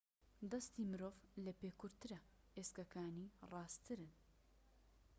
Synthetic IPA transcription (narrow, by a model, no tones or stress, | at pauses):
d̪ɐst̪imɨɾoːvlɐpekʊɾt̪ɨɾɐ | eskɐkʰaːnirɑːst̪ʰɨɾɨn